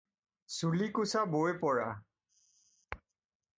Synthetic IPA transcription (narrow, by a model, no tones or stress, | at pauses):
sulikusabojpɔɹa